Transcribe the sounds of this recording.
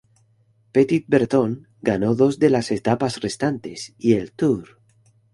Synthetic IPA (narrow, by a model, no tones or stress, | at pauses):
pet̪it̪̚beɾt̪oŋ | ɡanoðo̞zðe̞lase̞t̪apasre̞st̪ant̪e̞sielt̪uɾ